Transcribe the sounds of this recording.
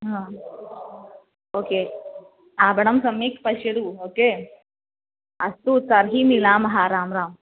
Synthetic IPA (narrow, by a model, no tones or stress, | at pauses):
ɦãː | oːkeː | aːbɐɽɐmsɐmeːkpɐʃɐɽuoːkeː | ɐst̪ut͡sɐɾɦimilaːmɐɦaːɾaːmɾaːm